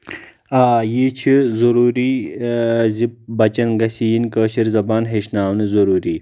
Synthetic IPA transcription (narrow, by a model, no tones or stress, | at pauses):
aːjiːt͡ʃʰizuɾuːɾiː | zip̚bɐt͡ʃɐnɡɐsijinkəːɕʰiɾzɐbaːnɦeʃnaːwnɨzɐɾuːɾiː